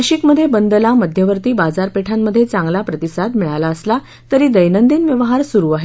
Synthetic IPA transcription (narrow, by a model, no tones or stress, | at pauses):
ɕikməd̪ʱːjebənd̪əlaməd̪ʱjəʋəɾt̪iːbad͡zaɾpeʈʰamːəd̪ʱːjet͡sãŋɡlapɾət̪isad̪miɭalaəsla | t̪əɾiːd̪əjnənd̪iːnʋjəʋɦaɾsuɾuːaɦe